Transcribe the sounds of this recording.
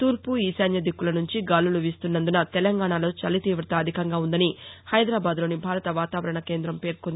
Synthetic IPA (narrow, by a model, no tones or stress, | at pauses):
t̪uːɾpuiːsaːnjɐd̪ʱikːulɐnuɲt͡ʃiɡaːluluʋiːst̪unːɐnd̪unɐt̪ɛlɐŋɡaːɳalo̞ːt͡ʃɐlit̪iːʋɾɐt̪ɐːd̪ʱikɐŋɡaːund̪ɐnihɐjd̪ɾaːbaːd̪lo̞ːnibʱaːɾɐt̪ɐʋaːt̪aːʋɐɾɐɳɐke̞ːnd̪ɾɐmpe̞ːɾkond̪ii